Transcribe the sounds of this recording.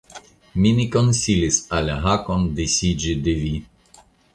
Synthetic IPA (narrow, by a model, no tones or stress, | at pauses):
minikonsilisalʲaɦakɔnd̪esid͡ʒid̪evi